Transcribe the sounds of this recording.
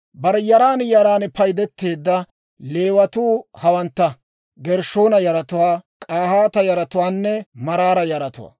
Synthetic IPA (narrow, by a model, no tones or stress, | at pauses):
bɐɾɛjɐɾaːnjɐɾaːnpɐjd̪ɛt̪ːe̞ːd̪ːɐ | le̞ːwɐt̪uːhɐwɐnt̪ːɐ | ɡɛɾʃoːnɐjɐɾɐt̪ʊwaːkʼaːhaːt̪ɐjɐɾɐt̪ʊwaːnːɛmɐɾaːɾɐjɐɾɐt̪ʊ̰wa̰ː